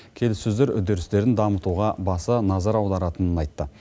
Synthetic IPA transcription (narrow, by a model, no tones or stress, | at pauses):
kʲʰe̞lɪsɵzd̪eɾʏ̰d̪eɾɪst̪e̞ɾɪnd̪ɑmət̪uʁɑbɑsənɑzɑɾɑwd̪ɑɾɑt̪ənənɑjt̪ːə